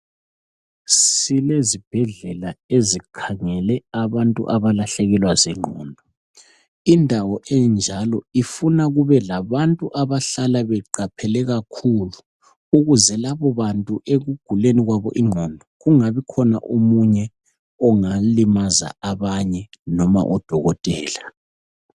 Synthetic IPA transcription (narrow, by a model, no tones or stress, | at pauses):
silezib̥ʱɛɮɛlaezikʰaŋɛlɛaβantʼṵʔaβalaɬɛɣɛlwazɛŋ͡ǃʱɔ̰ːndʱɔ | indʱawɔʔɛnd͡ʒʱalɔifunaɣuβɛlaβantʼuʔaβaɬalaβɛǃapʰɛlɛɣakʰulu | uɣuzɛlaβɔβantʼuʔeɣuɡ̥ʱuleniɣwaβɔ̰ʔiŋ͡ǃʱɔndʱɔɣuŋaβikʰɔna̰ʔumuɲɛ | ɔŋalimaza̰aβaɲɛnɔma̰ʔɔd̥ʱɔɣɔtʼɛːla